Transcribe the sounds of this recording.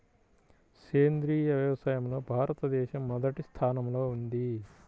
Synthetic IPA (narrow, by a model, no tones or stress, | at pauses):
keːnd̪ɾiːjɐʋjɐʋɐsaːjɐmlo̞ːbʱaːɾɐt̪ɐd̪ɛːʃɐmːɔd̪ɐʈist̪ʰaːnɐmlo̞ːund̪i